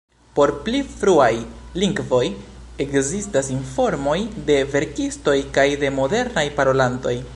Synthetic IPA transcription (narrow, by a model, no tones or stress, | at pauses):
po̞ɾplifɾuajliŋɡvo̞j | e̞kzistasinfo̞ɾmo̞jde̞ve̞ɾkisto̞jkajde̞mo̞de̞ɾnajpaɾo̞lanto̞j